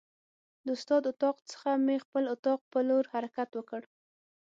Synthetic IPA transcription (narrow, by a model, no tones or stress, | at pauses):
d̪əʊst̪ɑd̪ʊt̪ɑqt͡sə̥xamexpəlʊt̪ɑq̚pəloɾhaɾakat̪wəkəɽ